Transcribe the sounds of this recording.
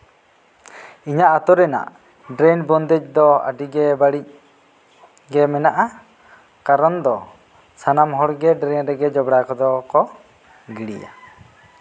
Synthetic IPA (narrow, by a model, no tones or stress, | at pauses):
iɲaʔat̪ɔɾɛna̰ʔ | ɖɾɛnbɔnd̪ɛc̚d̪ɔa̰ɖiɡɛbaɽic̚ | ɡɛmɛnaʔa | kaɾɔnd̪ɔ | sanamɦɔɾɡɛɖɾɛnɾɛɡɛd͡ʒɔbɽakɔd̪ɔkɔ | ɡiɽḭja̰